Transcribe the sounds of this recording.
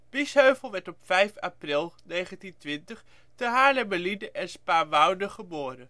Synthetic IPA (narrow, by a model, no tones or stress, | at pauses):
b̥ɪsɦøɥvəlˠʋɛɹtɔpfɛjfaːprɪlˠnejχəntintʋɪntəχ | təɦaːlɛməlidəʔɛnspaːʋɑwnəχəboːɾən